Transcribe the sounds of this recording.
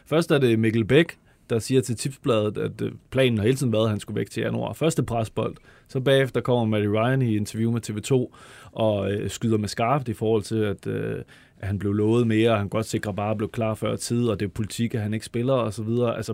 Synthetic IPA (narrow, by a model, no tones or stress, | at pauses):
fɶɐsd̥æɐɾe̝meɡ̥l̩b̥eɡ̥ | d̥ɑ̈siːɐt͡sʰe̝lt͡sʰib̥sb̥lɛːð̞ˠð̩ˠæd̥pʰlɛ̰ːn̩hɑe̝ːlt͡sʰiðˠn̩ʋæɐðˠɦænsɡ̥uʋeɡ̥̚t͡sʰe̝ænuɑ̰̈fɶɐsd̥epʰʁasb̥ɒ̽l̰d̥ | sɒ̽b̥ɛ̰ːefd̥ɐkʰɒ̽m̰ɐmædiʁɑ̈ɪænie̝nt͡sʰɐʋjuːmet͡sʰe̝ːʋe̝t͡sʰo̝̰ːʔɒ̽øsɡ̥yð̞ˠɐmesɡ̥ɑ̈ːfð̩ˠifɒːhɒ̽l̰t͡sʰe̝læd̥ø | ʔæhænb̥le̝ʊlɔ̽ːð̞̩ˠme̝ːɐɒhænɡ̥ɒ̽d̥se̝ɡ̥ʁɐbɑ̈ːb̥le̝ʊkʰlɑ̈ːfɶɐ̰t͡sʰið̞̰ˠɒ̽d̥e̝ʋpʰo̝lit͡sʰiɡ̥æɦæne̝ɡ̥sb̥e̝lɐɒ̽sɒ̽ʋið̞ˠɐːʔælsɐ